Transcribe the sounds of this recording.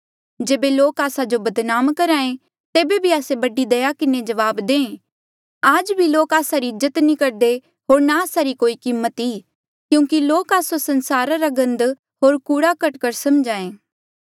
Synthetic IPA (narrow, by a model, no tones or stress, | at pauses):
d͡ʒeːbeloːkaːsad͡ʒobɐd̪naːmkɐɾaːẽ | t̪eːbebʱiaːsebɐɖid̪ɐjakɪned͡ʒɐʋaːbd̪ẽːẽ | aːd͡ʒbʱiloːkaːsaɾiɪzət̪nĩkɐɾd̪e | ɦoːɾnaaːsaɾikoːikɪmːət̪i | kjũːkiloːkaːsosɐ̃nsaːɾaɾaɡɐ̃nd̪ | ɦoːɾkuːɽakɐʈkəɾsɐmd͡ʒaːẽː